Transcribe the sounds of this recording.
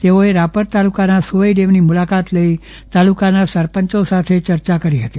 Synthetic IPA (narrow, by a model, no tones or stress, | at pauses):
t̪eoeɾapəɾt̪alukanasuʋəiɖemnimulakat̪ləi | t̪alukanasəɾpəɲt͡ʃosat̪ʰet͡ʃəɾt͡ʃakəɾiɦət̪i